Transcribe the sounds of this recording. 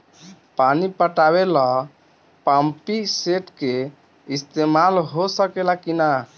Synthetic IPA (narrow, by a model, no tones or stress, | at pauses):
panipəʈabela | pampiseʈke | ist̪emalɦosəkelakina